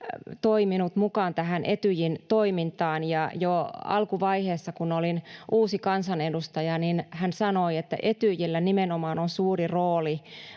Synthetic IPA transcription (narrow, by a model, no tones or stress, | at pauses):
t̪oiminut̪mukɑːnt̪æɦænʔet̪yjint̪oimint̪ɑːnjɑjoɑ̰lkuʋɑiheːsːɑkunolinʔuːsikɑnsɑnedust̪ɑjɑninhænsɑnoiet̪ːæ̰ʔet̪yjilːænimenomɑːnonsuːriroːli